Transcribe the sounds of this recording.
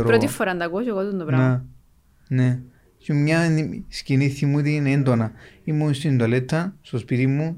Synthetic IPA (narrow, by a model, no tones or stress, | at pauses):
ɾpɾot̪ifoɾand̪ɐkoʃokot̪und̪opɾana | ne | t͡ʃimɲasciniθimut̪inend̪onaimːunst̪ind̪olet̪ʰːɐst̪ospit̪imːu